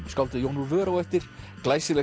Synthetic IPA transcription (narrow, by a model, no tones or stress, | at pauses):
skalt̪ɪðjownuɾvœːɾawɛft̪ɪɾ̥klajsɪlɛ